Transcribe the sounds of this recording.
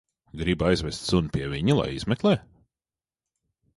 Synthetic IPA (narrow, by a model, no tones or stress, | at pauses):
ɡɾibajzvɛst̪sunpiɛvʲiɲilˠa̰jizmɛklˠɛː